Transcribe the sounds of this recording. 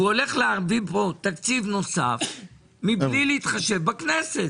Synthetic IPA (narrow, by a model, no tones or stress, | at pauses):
uo̞le̞χleaʁbipo̞t̪akt͡sivno̞saf | miblileit̪χaʃe̞vbaknese̞t